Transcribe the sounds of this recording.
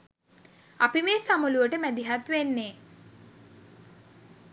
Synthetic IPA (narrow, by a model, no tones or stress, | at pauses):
apimeːsaməluʋəʈəmæd̪iɦat̪ʋenːe